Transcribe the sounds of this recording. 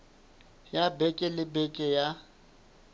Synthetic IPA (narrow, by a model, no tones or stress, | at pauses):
jabɛkʼɪlɪbɛkʼɛja